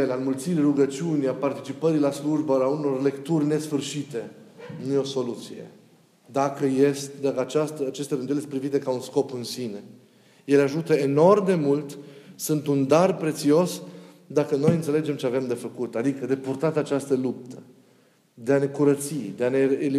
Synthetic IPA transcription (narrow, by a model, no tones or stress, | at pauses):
elalmult̪siɾruɡət͡ʃiunʲapart̪it͡ʃipəɾilasluʒbaauno̞rle̞kt̪urʲne̞sfɨrʃit̪e̞nujeoso̞lut̪sije̞̰ | d̪akəjest̪d̪akəat͡ʃast̪əat͡ʃest̪aɾɨnd̪ueespɾivit̪ekaunsko̞pɨnsine̞ | je̞laʒut̪əeno̞rmd̪e̞mult̪sɨnt̪und̪arpɾe̞t̪sio̞s | d̪akəno̞jɨnt̪se̞led͡ʒe̞mt͡ʃeave̞md̪e̞fəkut̪ad̪ikəd̪e̞purt̪at̪at͡ʃast̪əlup̚t̪ə | d̪eane̞kuɾət̪sid̪e̞ane̞ːli